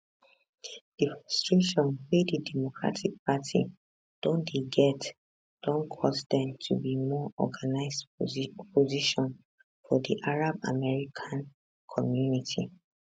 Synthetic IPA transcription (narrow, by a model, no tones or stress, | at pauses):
d̥ifɔstɹuʃɔ̃nwididɛmokɹa̰tʰik̚patʰḭ | d̥õndiɡɛt | d̥ɔ̃nkʰɔsdɛ̃mtʰubimɔɔ̰ɡanaɪsdpoziʃɔ̃n | fɔdiʔaɹaba̰mɛɹikʰãn | kʰɔmjunitʰḭ